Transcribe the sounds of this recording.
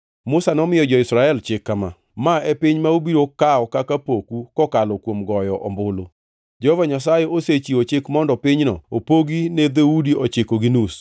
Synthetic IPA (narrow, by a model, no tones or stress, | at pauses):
mʊsanɔmɪjɔd͡ʒɔɪsɾaɛlt͡ʃɪkːama̰ | maepɪɲmaubiɾokaɔkakapokukɔkalɔkwomɡɔjɔʔɔmbʊlo | d͡ʒɔovaɲas̬ajɛoset͡ʃiot͡ʃɪkmɔndɔpɪɲnɔ̰opoɡined̪eudiʔɔt͡ʃɪkoɡinus